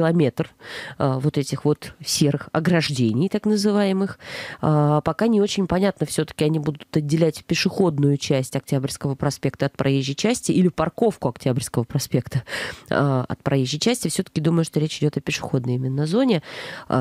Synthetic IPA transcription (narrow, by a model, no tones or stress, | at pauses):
ɪlˠɐmʲe̞t̪r | vo̞t̪ɛtʲɪxvo̞t̪sʲe̞ɾɨxɐ̰ɡɾɐʐdʲenʲɪjt̪aknəzɨvajɪmɨxəpɐkanʲɪo̞t͡ɕɪnʲpɐnʲat̪nəfsʲɵt̪ə̥kʲɪɐnʲibud̪ʊt̪ɐdʲːɪlʲætʲpʲɪʂɨxo̞d̪nʊjʊt͡ɕæsʲtʲɐk̚tʲabɾʲskəvəpɾɐspʲe̞kt̪əɐt̪̚pɾʔɐjeʑːɪt͡ɕæsʲtʲɪʔilʲɪpɐrko̞fkʊɐktʲabɾʲskəvəpɾɐspʲe̞kt̪əaɐ̰t̪̚pɾʔɐjeʑːɪt͡ɕæsʲtʲɪfsʲɵt̪ə̥kʲɪd̪uməjʊʂt̪oɾʲet͡ɕɪdʲo̞t̪ɐpʲɪʂɨ̥xo̞d̪nəjɪmʲɪnːɐzo̞nʲɪ̰